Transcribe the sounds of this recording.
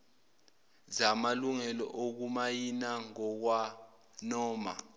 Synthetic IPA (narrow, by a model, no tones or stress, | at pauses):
zamaluŋɛlɔ̰ʔok̬umajinaŋɔk̬wa | nɔːma̰